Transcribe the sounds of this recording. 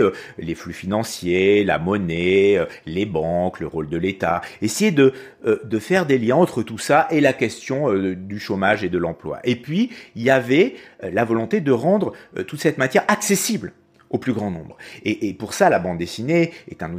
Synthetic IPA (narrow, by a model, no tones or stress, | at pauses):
øleflyfinɑ̃sjela̰mɔnɛølebɑ̃kləʁold̪əlet̪aesejed̪ə | d̪əfɛʁd̪eljɛ̃ɑ̃t̪χət̪usaʔelakʲɛst̪jɔ̃ød̪yʃomaʒed̪əlɑ̃plwa̰ʔepɥiilavɛlavɔlɔ̃t̪ed̪əʁɑ̃d̪ʁø̰t̪ut̪sɛt̪mat̪jɛʁaksesibl | oplyɡʁɑ̃nɔ̰̃bʁeʔːpuʁsalabɑ̃d̪d̪esineɛ̰t̪ɛ̃nu